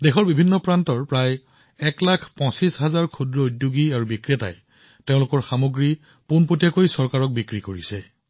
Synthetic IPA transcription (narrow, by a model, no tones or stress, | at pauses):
dexʰɔɹbibʱinːɔpɹantɔɹpɹaj | ɛklakʰpɔ̃sisɦazaɹkʰudɹɔudjoɡiaɹubikɹiata̰j | teʊ̃lʊkɔɹxamoɡɹi | punpotijakojsɔɹkaɹɔk̚bikɹikoɹisɛ